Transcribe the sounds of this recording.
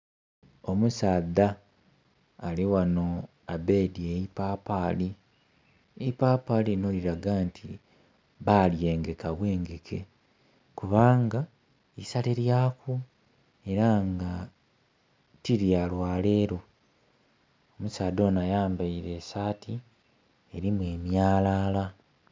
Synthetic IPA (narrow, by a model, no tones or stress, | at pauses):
o̞musaːda | liwano̞ | abe̞ːdieipaːpaːli | eipapaːlino̞ːliɾaɡantʰi | βaljeːŋɡekaβwe̞ːŋɡekʰe̞ | kuβaːŋɡa | isaleɾjaːku | e̞ɾaŋɡa | tiɾjalwaːle̞ːɾo̞ | omusaːdo̞ːnajaːmbaiɾe̞ːsaːtʰi | eɾimwe̞ːmjaːlaːla